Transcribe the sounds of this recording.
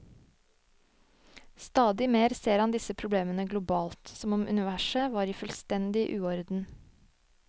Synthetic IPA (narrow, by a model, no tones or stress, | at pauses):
st̪ɑːd̪ɪmeːɾseːɾhɑnd̪ɪsəpʰɾʊbleːmənəɡlʊbɑːlt̪sɔmɔmʔʉ̰nɪʋæʃəʋɑːɾiːfʉlst̪ɛnd̪ɪʔʉːɔɾd̪n̩